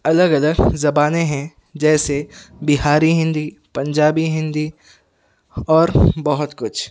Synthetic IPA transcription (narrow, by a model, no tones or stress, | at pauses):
ɐləɡɐləɡzɐbaːnẽɦɛ̃ | d͡ʒɛːsebɪɦaːɾiɦɪ̃nd̪i | pɐ̃ɲd͡ʒaːbiɦɪ̃nd̪i | ɔːɾbɔɦʊt̪kʊt͡ʃʰ